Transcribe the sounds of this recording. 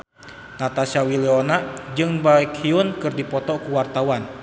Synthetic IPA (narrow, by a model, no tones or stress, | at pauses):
nat̪asawiliɔnad͡ʒɨŋbaikhiunkɨrdipɔt̪ɔkuwart̪awan